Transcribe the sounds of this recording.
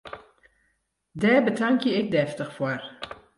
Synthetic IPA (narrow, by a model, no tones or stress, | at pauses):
dɛːbətaŋkjəɪk̚dɛftəχfor